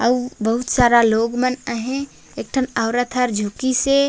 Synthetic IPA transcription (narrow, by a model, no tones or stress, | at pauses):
əubəɦut̪saːɾaloːɡmənəɦẽ | ek̚ʈʰənəʊɾət̪ʰəɾd͡ʒʱukise